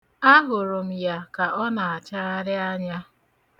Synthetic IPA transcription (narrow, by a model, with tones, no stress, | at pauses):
a˦ɦʊ˨ɾʊ˨m̩˨ja˨ka˨ɔ˦na˨a˨t͡ʃa˦ɾa˦ɾɪ˦a˦ɲa˦